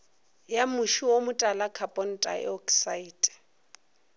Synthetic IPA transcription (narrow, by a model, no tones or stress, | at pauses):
jamʊʃiwomʊtʼalakʰapʼɔn̩tʼa̰ɛ̰ɔksaiːtʼɛ̥